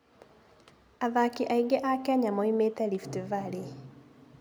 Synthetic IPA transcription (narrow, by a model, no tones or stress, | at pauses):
aðakiʔaiɡɛʔakɛɲamɔimetɛliftevale